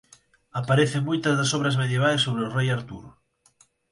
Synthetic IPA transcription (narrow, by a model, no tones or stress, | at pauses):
apaɾeθeŋmojt̪ɐzðɐsɔβɾɐzmeðjeβ̞ajsːoβ̞ɾɪʊrejaɾt̪uɾ